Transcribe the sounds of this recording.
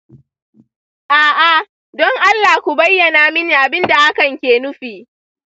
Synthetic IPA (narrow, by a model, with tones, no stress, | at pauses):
ʔaː˨ʔa˨ | dɔ˦ŋʔa˦lːaː˨kʷu˨bɐ˦jːɐ˨naː˨mɪ˦niː˨ʔa˨bɪ˦nda˨ʔa˦kɐ˨ŋkʲeː˨nʊ˦ɸiː˨ʔ